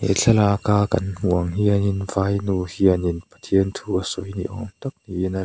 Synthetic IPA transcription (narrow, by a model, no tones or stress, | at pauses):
ḛt͡ɬʰɐlakaːkɐ̰nm̥uəŋɦiɐninvajnuhiɐninpɐ̥t̪ʰiənt̪ʰuasɔjnḭʔɔnt̪ɐk̚niʔina